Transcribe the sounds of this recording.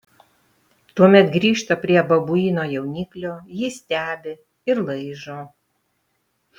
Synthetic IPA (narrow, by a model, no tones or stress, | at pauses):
t̪uɔmʲɛt̪ɡɾʲiːʃt̪ɐpʲɾʲiɛbɐbʊiːnoːjɛʊnʲiːklʲoːjɪsʲt̪ʲæːbʲɪ | ɪɾlˠɐɪʒoː